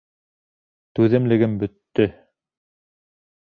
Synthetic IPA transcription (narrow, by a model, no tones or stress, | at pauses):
t̪ʉðɘ̆mlɘ̆ɡɘmbɵ̆t̪ːɵ